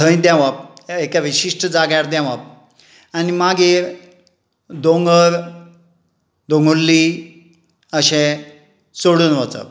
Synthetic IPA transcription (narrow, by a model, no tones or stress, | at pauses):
ə̃j̃d̪ãʋap̚ekaʋiɕiʂʈʰəd͡zaɡjaɾd̪ãʋap̚ | animaɡeɾ | d̪oŋɡəɾ | d̪oŋɡulːi | əɕẽ | soɽuːnʋət͡sa̰